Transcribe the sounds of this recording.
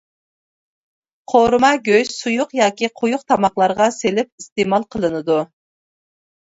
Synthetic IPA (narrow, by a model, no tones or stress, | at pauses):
qʰoɾmɑɡʲøjsujʊqjɑːkʲiqʰujʊqt̪ʰɑmɑqlˠɑɾʁɑselɪp̚ist̪emɑlˠqʰəlˠɨnɨd̪u